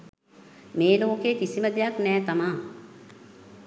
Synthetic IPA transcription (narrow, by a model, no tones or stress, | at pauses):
meːloːkeːkisiməd̪ejaknɛːt̪amaː